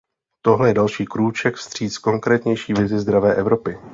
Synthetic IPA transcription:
t̪o̞ɦlɛjɛdalʃiːkɾuːt͡ʃɛkfst̪r̝̥iːt͡sko̞ŋkɾɛːt̪ɲɛjʃiːvɪzɪzd̪ɾavɛːʔɛvɾo̞pɪ

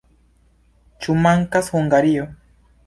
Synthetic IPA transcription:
t͡ʃumaŋkashoŋɡaɾijo

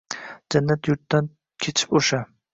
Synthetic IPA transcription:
d͡ʒanːat̪jʊɾt̪ːan | kʲʰet͡ʃʰɪ̥poʃa

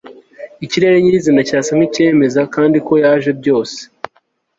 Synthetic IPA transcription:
iciɾe̞ɾeɲizinacaːsam̥ice̞ːme̞zakaːndiko̞jaːʒe̞bɟo̞ːse̥

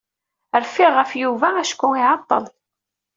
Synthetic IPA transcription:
əɾfiʁəfjuvææʃkʷːuiʕɑt̪ˤːə̰l

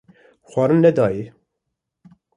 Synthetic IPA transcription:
xʷɑːɾɨnːɛd̪ɑːji

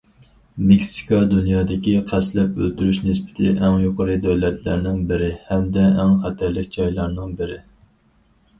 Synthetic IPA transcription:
meksi̥kʰɑd̪unjɑːd̪ɪkʲiqʰæslɛpø̰lt̪yɾyʃnɪsbɪ̥t̪ʰɪ̰ʔɛŋjoqʰəɾɨd̪øwlɛt̪ʰlæ̰ɾnɪŋbɪɾɪhɛmd̪ɛæŋχæt̪ʰæɾlɪkʲd͡ʒɑjlˠɑɾnɨŋbɪɾɪ

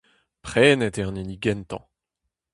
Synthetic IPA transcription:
pχɛːnɛt̪ɛʁniniɡɛnt̪ɑ̰̃

